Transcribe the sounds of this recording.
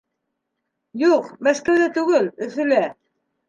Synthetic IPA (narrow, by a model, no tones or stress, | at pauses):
juqmæskæwðæt̪ʉɡɘlɵ̆θɘ̆læ